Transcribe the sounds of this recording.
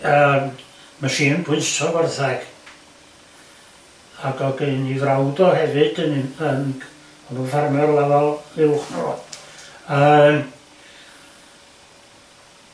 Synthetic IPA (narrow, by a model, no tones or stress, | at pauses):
əm | maʃiːnpʰʊɨsɔvərθɛɡ̥ | aɡɔɡenivrawdɔhɛvɨd̥ənən | ɔnuvarmɔrlˠɛvalˠɪlˠχnṵ | əːm